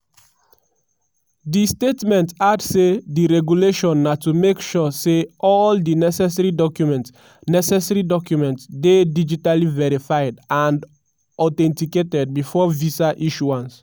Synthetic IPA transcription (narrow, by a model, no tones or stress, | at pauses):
distetmɛ̃ntadsediɹɛɡjuleʃɔ̃nːatumekʃuseʔɔldinɛsɛsɛɹidɔkjumɛ̃nt | nɛsɛsɛɹidɔkjumɛ̃ntsdedid͡ʒitalivɛɹifajdãnd | ɔtɛ̃ntiketɛd̚bifɔvisaʔiʃuãns